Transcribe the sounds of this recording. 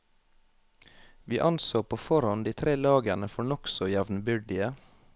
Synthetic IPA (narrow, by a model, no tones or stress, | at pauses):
ʋiːʔɑnsoːpʰoːfɔɾhɑnd̪iːt̪ʰɾeːlɑːɡənəfɔɳɔksɔjɛʋnbʏɖɪə